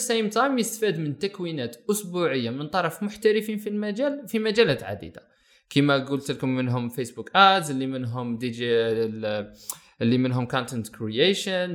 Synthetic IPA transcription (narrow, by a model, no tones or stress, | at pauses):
sejmt̪ɑjmjəst̪fid̪mənt̪ækwinæt̪ʔʊsbuʕəjːamənt̪ˤɑɾˤɑfmʊħt̪æɾəfinfilmæd͡ʒælfimæd͡ʒælæt̪ʕa̰d̪ḭd̪a | kəmæɡult̪əlkʊmːənɦʊmfesbukʔæt̪zəlːimənɦʊmd̪id͡ʒi | lːimənɦʊmkɔnt̪ənt̪kɾieʃən